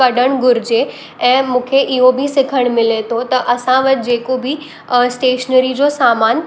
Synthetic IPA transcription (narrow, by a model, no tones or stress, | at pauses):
ɐɖʱəɽ̃ɡʊɾɪd͡ʑe | ɛ̃ːmũːkʰeʔɪɦobʱisɪkʰəɽ̃mɪlet̪ʰot̪ɐʔɐsãʋɐt̪ɪd͡ʑeːkobɪ | sʈeːʃnəɾid͡ʑosaːmaːn